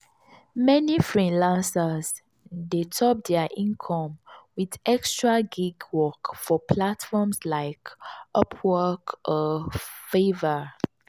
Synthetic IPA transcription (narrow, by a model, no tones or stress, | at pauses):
mɛnifɹilãnsəz | detʰɔp̚dɛəʔĩnkʰɔ̃mwidɛkstɹaɡiɡwɔkfɔpʰlatfɔmslaɪkʔɔpʰwɜkʔɔfevə